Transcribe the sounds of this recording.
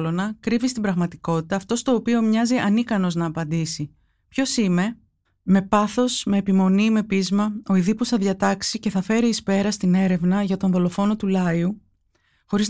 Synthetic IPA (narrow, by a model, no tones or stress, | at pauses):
lo̞nɐkɾivist̪ibɾɐɣmɐt̪iko̞t̪i̥t̪ɐːft̪o̞st̪o̞ːpio̞mɲɐziʔɐnikɐno̞znɐːpɐnd̪isi | pço̞sime̞ | me̞pɐθo̞sme̞ːpimo̞nime̞pizmɐo̞iðipusθɐðʝɐt̪ɐksice̞θɐfe̞ɾiːspe̞ɾɐst̪ine̞ɾe̞vnɐʝɐt̪o̞nðo̞lo̞fo̞no̞t̪ulɐiu | xo̞ɾiz